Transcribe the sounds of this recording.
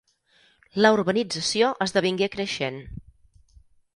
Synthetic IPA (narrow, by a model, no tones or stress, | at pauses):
ləuɾβənid͡zəsioʔəzðəβ̞iŋɡekɾəʃen